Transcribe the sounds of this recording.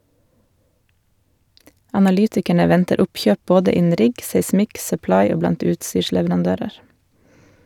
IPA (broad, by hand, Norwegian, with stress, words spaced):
ɑnɑˈlyːtɪkæɳə ˈʋɛntəɾ ˈʊpˌçøːp ˈboːdə ˈɪnn̩ ˈɾɪɡ seɪˈsmɪk sœˈplɑɪ ˈoː ˈblɑnt ˈʉːtˌsyːʃlɛʋɾɑnˌdøːɾəɾ